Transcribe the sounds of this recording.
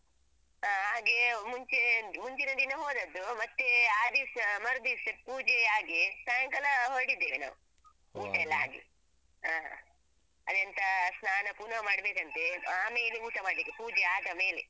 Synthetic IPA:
aɦaːɡemuɲt͡ʃemuɲt͡ʃinɐnd̪inɐɦoːd̪ɐd̪ːumɐt̪ːeaːɾismɐɾd̪ispuːd͡ʒeaːɡesaːjɐŋkɐlɐɦojɽid̪ːeːʋena̰ːʋu | uːʈɐɛlːɐa̰ːɡḭ | ɦaːɦa̰ | ɐd̪ɐnt̪ɐsnaːnɐpuːnɐmaːɽbeːkɐnt̪eaːmeilːiuːʈɐmaːɖbekpuːd͡ʒeaːɡ̪ɐmeːle

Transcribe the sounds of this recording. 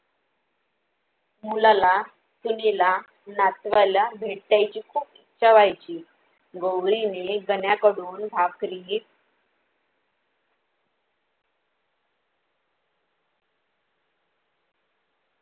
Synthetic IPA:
mulala | tunela | nat̪ʋalabʱeɽʈajt͡ɕiːkʰuːpitːɕʰaʋajt͡ɕiː | ɡowɾineɡəɳjakəɽuːnbʱakɾiɦe

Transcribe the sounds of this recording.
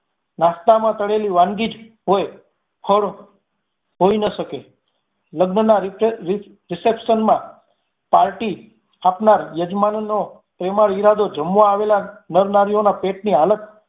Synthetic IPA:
nast̪amãt̪əɽeliʋãnɡid͡ʒ | ɦoe | kʰəɽ | ɦoinəʃəke | ləɡnəna | ɾɪsepʃənmã | paɾʈi | apnaɾjəd͡ʒmanno | pɾemaɾiɾad̪od͡ʒəmːoaʋelanəɾnaɾijonapeʈniɦalət̪

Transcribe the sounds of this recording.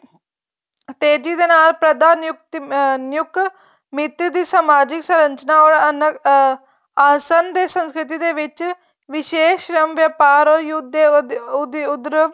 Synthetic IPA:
t̪eːd͡ʒiːd̪eːnaːlpɾəd̪aːnjʊkt̪njʊk | mɪt̪d̪iːsaːmaːd͡ʒɪksəɾəɲt͡ʃənaːoɽn | aːsənd̪eːsə̃nskɾɪt̪̬id̪eːʋɪt͡ʃ | ʋɪʃeːʃɾəmʋjəpaːɾojʊd̪eːʊd̪ʊd̪ɾə

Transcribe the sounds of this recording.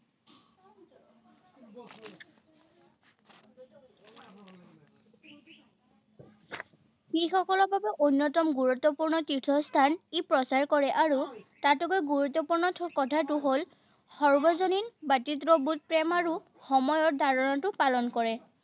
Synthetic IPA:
xixɔkɔlɔɹbabɛʔonːɔtɔmɡuɹutːɔpuɹnɔtitʰɔstʰanipɹɔsaɹkɔɹɛʔaɹutatɔkɔjɡuɹutːɔpuɹnɔtʰɔkɔtʰatuɦol | xɔɹbɔzɔninbatitɹɔbut̚pɹɛmaɹu | xɔmɔjɔɹdaɹɔnatʊpalɔnkɔɹɛ

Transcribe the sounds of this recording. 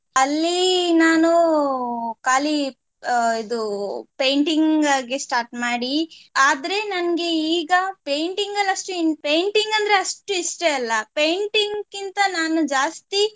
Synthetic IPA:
ɐlːinaːnu | kaːli | id̪upe̞jɳʈiŋɡaːɡesʈaːɾʈmaːɽiaːd̪ɐɾe̞nɐnɐɡe̞iːɡɐpejɳʈiŋɡɐlːɐʂʈupejɳʈiŋɡɐnd̪ɐɾeɐʂʈuiʂʈeɐlːɐpejɳʈiŋɡkint̪ɐnaːnud͡ʒaːst̪i

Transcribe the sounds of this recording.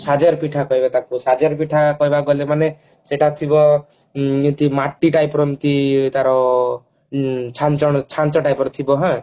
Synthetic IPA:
sad͡ʒeɾpiʈʰakɔibat̪akusad͡ʒeɾpiʈʰakɔjbaɡɔlemane | seʈat̪ʰibɔ | kint̪imaʈːiʈajpɾɔmit̪it̪aɾɔ | t͡ʃʰant͡ʃɔɽ̃t͡ʃʰant͡ʃɔʈajpɔɾt̪ʰibɔɦɔ̃

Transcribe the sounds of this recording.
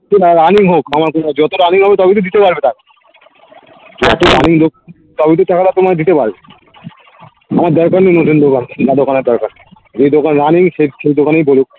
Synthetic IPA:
t̪oaɾaniŋɦokamaɾkond͡ʑɔt̪oɾaniŋɦɔbet̪ɔbit̪od̪it̪epaɾbet̪ake | d͡ʒɛ̰t̪oɾaniŋd̪okan | t̪ɔbit̪ot̪akʰaʈat̪omaked̪it̪epaɾbe | a̰maɾd̪ɔɾkaɾninotend̪okanad̪okaneɾd̪ɔɾkaɾi | d͡ʑed̪okanɾaniŋʃeʃejd̪okanejboluk̚

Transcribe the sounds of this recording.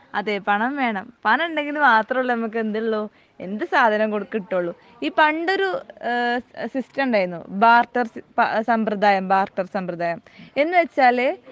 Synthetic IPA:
ɐ̰ðepɐɳɐmʋe̞ːɳɐmpɐnɐɳɖe̞ŋɡilumaːt̪rɐuɭːenɐmɐkːend̪iɭːoː | e̞̰nd̪ɨsaːd̪ʱɐnɐmkoɽukːiʈːoɭːu | iːpɐɳɖo̞ɾu | sistɐɳɖaːjunːṵbaːrʈːɐrpsɐmprɐd̪aːjɐmbaːrʈːɐrsɐmprɐd̪aːjɐme̞nːɨʋet͡ɕːaːle

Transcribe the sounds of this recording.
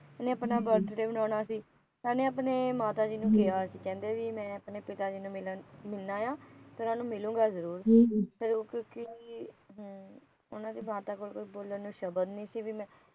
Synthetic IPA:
neːəpnaːbəɾt̪ɾeːbənaːnaːsiː | t̪aːnẽːəpneːmaːt̪aːd͡ʒiːnũːkeaːsiːkɛ̃ːnd̪eːʋiːmɛ̃ːəpneːpɪt̪aːd͡ʒiːnũːmɪlmɪlnaːjãːt̪əɾaːnũːmɪlũːŋɡaːzəɾuːɾsʰəɾoːkkɪɦ | ʊnãːd̪iːmaːt̪aːkoːlkoːiːboːlənːũːʃəbəd̪nĩːsiːʋiːmɛ̃ː

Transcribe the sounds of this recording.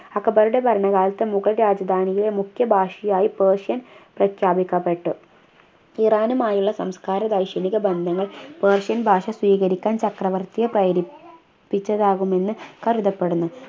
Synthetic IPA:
ɐkːɐbɐɾuɽe̞pɐɾɐɳɐɣaːlɐt̪ːɨmuɣɐɭɾaːd͡ʑɐd̪ʱaːnijilemukʰjɐbʱaːʂijaːjipeːrʂjɐnprɐkʰjaːbikʲːɐpːe̞ʈːu | iraːnumaːjuɭːɐsɐ̰mskaːɾɐd̪ɐjɕɐɳiɣɐbend̪ʱɐŋːɐɭpeːrʂjɐnbʱaːʂɐswiːɣɐɾikʲːaːnt͡ɕɐkrɐʋɐrt̪ijɐprɐjɐɾi | pːit͡ɕːɐðaːɣume̞nːɨkɐruðɐpːe̞ɽunːu

